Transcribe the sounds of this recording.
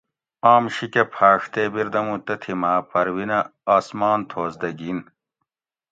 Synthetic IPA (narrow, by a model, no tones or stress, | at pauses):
aːmɕikepʰaːʂt̪eːbiɾd̪ɐmũt̪ɐt̪ʰimaːpɐɾwinɐaːsmaːnt̪ʰoːzd̪ɐɡiːn